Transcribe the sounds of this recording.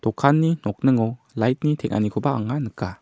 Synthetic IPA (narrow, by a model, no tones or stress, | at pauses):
d̥ɔkʰanːinɔk̚nɯŋɔ | lajt̚nitʰɛŋ̚ʔa̰nikʰɔbaːŋanɯkːa